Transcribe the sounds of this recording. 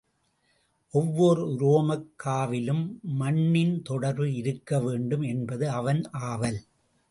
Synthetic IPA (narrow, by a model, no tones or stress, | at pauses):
ʔɔʋːɔɾɯɾoːmɐkːaːʋɪlɯmːɐɳːɪnt̪ɔɽɐɾʋɯɪɾɯkːɐʋeːɳɖɯmɛnbɐðɯɐʋɐnʔaːʋɐl